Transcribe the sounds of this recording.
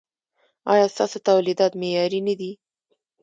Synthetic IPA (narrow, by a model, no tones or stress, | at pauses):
ɑ̰jɑst̪ɑsot̪awlid̪ɑt̪mejɑɾinad̪i